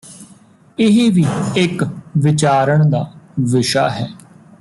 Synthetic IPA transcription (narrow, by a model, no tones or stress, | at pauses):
ɪɦiːʋiːɪkʋɪt͡ʃaːɾəɳ̃d̪aːʋɪʃa̰ːɦɛː